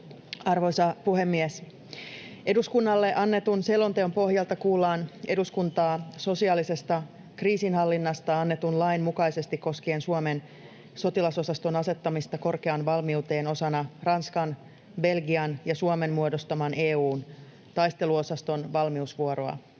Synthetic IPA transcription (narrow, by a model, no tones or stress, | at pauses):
ɑrʋo̞jsɑpuɦe̞mːies | e̞duskunːɑlːe̞ʔɑnːe̞t̪unselo̞nt̪eompo̞ɦjɑlt̪ɑkuːlːɑːne̞duskunt̪ɑːso̞siɑːlise̞st̪ɑ | kriːsinɦɑlːinːɑst̪ɑɑnːe̞t̪unlɑinmukɑjse̞st̪ikkːo̞skeːnsuome̞n | so̞t̪ilɑso̞sɑst̪o̞nɑse̞t̪ːɑmist̪ɑko̞rkeɑnʋɑlmiut̪e̞ːno̞sɑnɑrɑnskɑn | be̞lɡiɑnjɑsuome̞nmuodo̞st̪ɑmɑne̞ːuːn | t̪ɑjst̪e̞luo̞sɑst̪o̞nʋɑlmiusʋuoɾoɑ̰